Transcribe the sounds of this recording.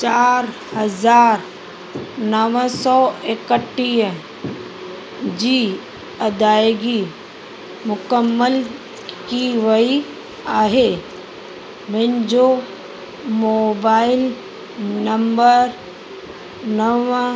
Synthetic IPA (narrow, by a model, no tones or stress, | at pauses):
t͡ʃaːɾhəzaːɾ | nəʋəsɔːekəʈːiːə | d͡ʒiː | ɐd̪aːjɡi | mʊkəmːəl | kiʋəi | aːɦe | mɪnd͡ʑo | moːbaːɪl | nɐmbəɾ | nəʋ